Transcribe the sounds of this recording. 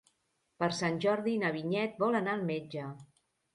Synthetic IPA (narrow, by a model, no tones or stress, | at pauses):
pəɾsanʲʒɔɾðinəβiɲɛt̪̚bɔlənaəlˠmed͡ʒə